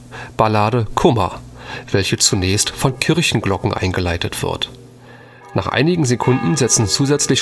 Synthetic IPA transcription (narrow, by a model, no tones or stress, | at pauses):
b̥alaːdəkʰʊmɐ̰v̥ɛlçət͡sunɛːçstfɔnkʰɪɐçn̩ɡlɔkŋ̩ʔa̰ɪnɡəlaɪtətv̥ɪ̰ɐt | naːχʔa̰ɪnɪɡŋ̩zekʰʊndn̩zɛt͡sn̩t͡suːzɛt͡slɪç